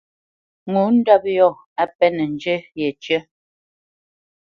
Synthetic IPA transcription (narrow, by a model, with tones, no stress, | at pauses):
ŋu˨˦n̩˦dɔ˦p̚jɔ˦˨ | a˦pɛ˦nə˨n˨d͡ʒə˦jɛ˨t͡ʃjə˦